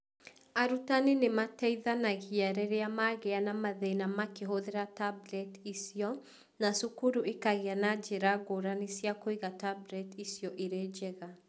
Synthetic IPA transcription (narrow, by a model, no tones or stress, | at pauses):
aɾutanenematɛiðanaɣiaɾɛɾeamaɣeanamaðenamakeɦoðeɾatablɛtisiɔ | nasukuɾuʔekaɣeanad͡ʒeɾaɣoɾanisjakoiɣatablɛtisjɔʔeɾed͡ʒɛɣa